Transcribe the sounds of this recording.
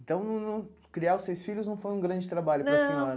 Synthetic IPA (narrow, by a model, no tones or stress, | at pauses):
ẽt̪ɐ̃w̃nɐ̃nɐ̃ | kɾiaʊsejsfiʎʊznɐ̃w̃fojũɡɾɐ̃d͡ʒɪt̪ɾabaʎʊpɾosima